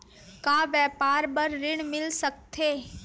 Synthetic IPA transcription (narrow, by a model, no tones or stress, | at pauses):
kaːʋjɛːpaːɾbəɾːɪɽ̃mɪlsək̚t̪ʰeː